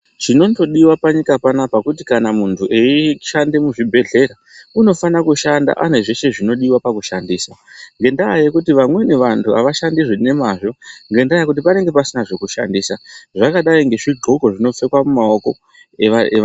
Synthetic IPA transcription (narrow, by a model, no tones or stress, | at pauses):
t͡ʃino̞nto̞ɗiwapaɲikapanapakutikanamuntʰuʔeiʃande̞muʐibʱe̞ɮe̞ɾa | uno̞fanakuʃanda̰ʔane̞ʐe̞ʃe̞ʐino̞ɗiwapakuʃandiːsaŋɡe̞ndaːjekutiʋamwe̞ne̞ʋantʰua̰ʋaʃandiʐine̞maʐo̞ŋɡe̞ndajakut̬ipane̞ŋɡe̞pasinaʐe̞kuʃa̰ndisaʐakaɗaiŋɡe̞ʐiɡʱoko̞ʐino̞fe̞kwamumao̞ko̞ | eae